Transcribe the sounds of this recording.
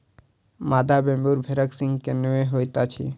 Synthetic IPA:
mad̪ʱabẽmbuɾbʱeɾəksiŋɡkenueɦojt̪at͡ʃʰḭ

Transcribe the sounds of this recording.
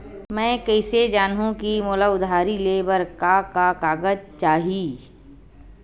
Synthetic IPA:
mɛ̃ːkɛɪsed͡ʒaːnɦũkimoːlaʊd̪ʱaːɾileːbəɾkakakaːɡəd͡ʒt͡ʃaːɦiː

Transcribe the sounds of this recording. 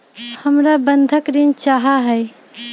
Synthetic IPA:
həmɾabənd̪ʱəkɾint͡ʃaɦaɦɛɪ

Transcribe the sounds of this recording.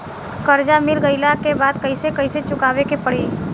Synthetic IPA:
kɐɾd͡ʒamɪlɡəilakebaːd̪kɐisekɐiset͡ʃʊkaːwekepɐɽiː

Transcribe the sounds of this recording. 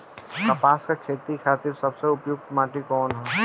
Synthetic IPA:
kɐpaːskakʰeːt̪ɾikʰaːt̪ɪɾsɐbseʊpjʊɡ̚t̪maːʈikɔːnɦɛː

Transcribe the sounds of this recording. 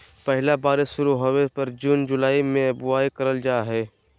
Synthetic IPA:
pɛɦlabaːɾeʃʊɾuɦoːepɐɾd͡ʒuːnd͡ʒʊlaːimẽbʊaːikɐɾəld͡ʒaːɦɛː

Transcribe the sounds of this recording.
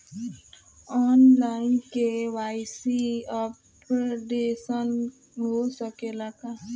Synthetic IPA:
ɔːnlaːɪnkewaːɪsiɔ | pɾoɖesən | ɦosɔkelaɡa

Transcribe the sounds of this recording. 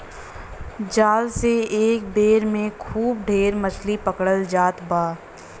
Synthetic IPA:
d͡ʒaːlseeːk̚beːɾmẽkʰuːb̚ɖʱeːɾmɐt͡ʃʰlipɐkɽəld͡ʒaːt̪baː

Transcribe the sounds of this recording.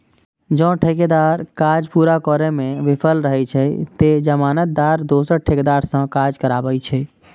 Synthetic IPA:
d͡ʒə̃ʈʰeked̪aɾkad͡ʒpuɾakɔɾemẽʋipʰəlɾəɦɛt͡ʃʰɛt̪ed͡ʒəmaːnət̪̚d̪aɾd̪osəɾʈʰeked̪aɾsə̃kad͡ʒkəɾabəjt͡ʃʰɛ

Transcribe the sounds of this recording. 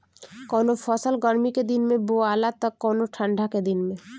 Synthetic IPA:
kɔːnopʰəsəlɡəɾmiked̪inmẽboaːlat̪əkːɔːnoʈʰə̃ɳɖʱaked̪inmẽ

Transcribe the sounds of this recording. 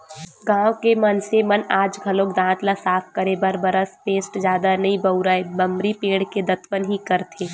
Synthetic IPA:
ɡãːwkemɐnsemɐnaːd͡ʒɡʱɐlokd̪ãːt̪lasaːpʰkɐɾebɐɾbɐɾəspeːsʈzjaːd̪anɐɦĩbɐʊɾəebɐ̃mbɾipeːɽked̪ɐt̪ʋənɦikɐɾt̪ʰeː

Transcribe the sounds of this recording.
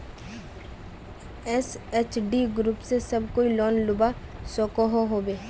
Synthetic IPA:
ɛseːt͡ʃʰɖiɡɾuːpsesɐbkoːilɔːnlʊba | soːkoɦoɦoːbeː

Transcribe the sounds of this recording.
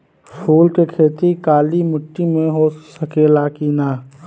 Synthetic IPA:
pʰuːlkekʰeːt̪ikaːlimʊʈːimẽɦosəkeːlakiːnaː

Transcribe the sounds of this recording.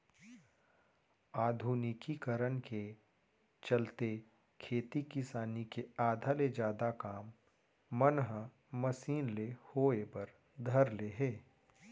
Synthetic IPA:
aːd̪ʱuːnɪkikəɾənke | t͡ʃɐlt̪e | kʰeːt̪ikɪsaːnikeaːd̪ʱaled͡ʒjaːd̪akaːmː | ənɦə | məsiːnlehoːepɐɾ | d̪ʱɐɾleɦɛː

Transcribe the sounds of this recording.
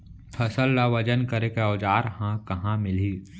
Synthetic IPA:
pʰɐsəlːaʋɐd͡ʒənkəɾekeɔːd͡ʒaːɾhãkɐɦãmɪliː

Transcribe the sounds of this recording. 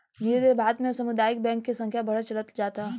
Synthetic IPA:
jiɾebʱaːt̪mẽsɐmʊd̪aːɪk̚bɛ̃ːŋkːesɐ̃ŋkʰjabɐɽ̤at͡ʃɐlət̪d͡ʒaːt̪aɦ

